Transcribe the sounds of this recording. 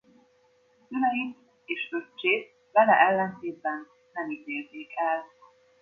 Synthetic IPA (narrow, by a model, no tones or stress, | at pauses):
sylɛjit̪ | eːʃøt͡ʃːeːt̪̚ | vɛlɛʔɛlːɛnt̪eːd̪̚bɛnː | ɛmit̪eːlzeːkɛl